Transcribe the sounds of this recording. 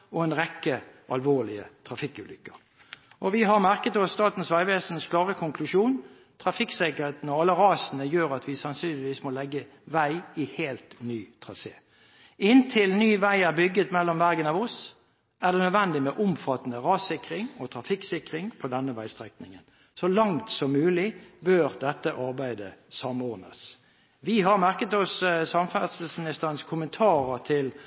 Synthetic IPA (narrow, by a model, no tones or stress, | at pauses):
ɔɛnʁɛkːəʔɑlʋoːlɪə̰t̪ʰʁɑfɪkːʉːlʏkːə | ʔɔʋɪɦɑʁmæʁkət̪ɔsːt̪ɑːt̪n̩sʋæɪʋeːsən̩skʰlɑːʁəkʰʊŋkʰlʉʃuːn | t̪ʰʁɑfɪksɛkəʁheːt̪ənɔɑlːəʁɑːsənəjøːɾɑt̪ʋɪsɑnsyːlɪʋiːsmɔlɛɡːə | ʋæɪɪheːlt̪nyːt̪ʰʁɑseː | ɪnt̪ʰɪlnyːʋæɪæʁbʏɡət̪mɛlːɔmʋæʁɡənɑʋɔs | æʁd̪ɛnœd̪ʋɛnd̪ɪmɛʔʊmfɑt̪nəʁɑːsɪkɾɪŋɔt̪ʰɾɑfɪksɪkɾɪŋpʰɔd̪ɛnːəʋæɪst̪ʁɛknɪŋən | sɔlɑŋt̪sɔmːʉːlɪbøːʁd̪ɛt̪ːəʔɑɾbæɪd̪ə̰sɑmɔʁnəs | ʋɪɦɑʁmæʁkət̪ɔssɑmfæsl̩smɪnɪst̪əʁənskʰʊmənt̪ʰɑːɾət̪ʰɪl